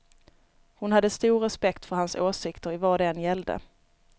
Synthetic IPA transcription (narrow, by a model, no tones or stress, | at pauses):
hʊnhad̪ːəst̪uːɾɛspɛkt̪fœɾhansoːsɪkt̪əɾɪvɑːd̪njɛld̪ə̰